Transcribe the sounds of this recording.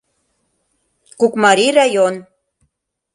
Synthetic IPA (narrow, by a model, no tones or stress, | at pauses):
kukmɑɾirɑjon